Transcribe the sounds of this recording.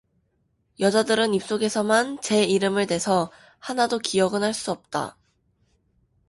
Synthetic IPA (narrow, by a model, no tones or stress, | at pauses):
jʌd͡ʑadɯɾɯnip̚s͈oɡe̞sʰʌmant͡ɕe̞iɾɯmɯɭte̞sʰʌ | hanadokiʌɡɯnɦaɭs͈uʌp̚t͈a̰